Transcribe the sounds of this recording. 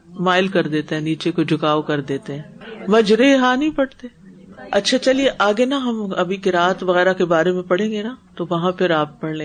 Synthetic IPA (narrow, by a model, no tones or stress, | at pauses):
maːɪlkɐɾd̪eːt̪eɦɛ̃ːniːt͡ʃekod͡ʒʱʊkaːʋokɐɾd̪eːt̪eɦɛ̃ːmɐd͡ʒɾeɦaːnɐɦĩpɐɽt̪eː | ɐtːʃʰat͡ʃɐlieʔaːɡenaɦɐmɐbʱikeɾaːt̪ʋɐɣɛːɾakebaːɾemẽpɐɽ̤ẽːŋɡenat̪oʋɐɦãpʰɪɾaːp̚ːɐɽlẽː